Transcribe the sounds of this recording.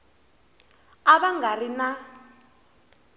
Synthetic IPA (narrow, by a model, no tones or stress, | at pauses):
aβaŋɡarina